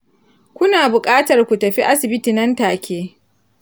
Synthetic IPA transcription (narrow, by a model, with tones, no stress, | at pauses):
kʷʊ˦naː˨bʊ˨kʼaː˦tɐ˨rkʷu˨tɐ˨ɸi˦ʔa˦sɪ˨bɪ˦tiː˨nɐ˦ntaː˨kʲʰeː˦